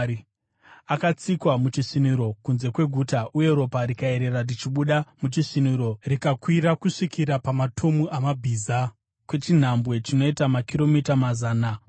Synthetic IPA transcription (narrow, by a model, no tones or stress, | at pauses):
akat͡sikwamut͡ʃisiniɾo̞kunze̞kwe̞ɡʱutaʔuje̞ɾo̞paɾikae̞ɾe̞rarit͡ʃiɓuɗamut͡ʃisiniɾo̞rikakwiɾakuʂikʰiɾapamatʰo̞muʔamabʱiːza | kwe̞t͡ʃin̤ambwe̞t͡ʃino̞itamakiro̞mitamazaːna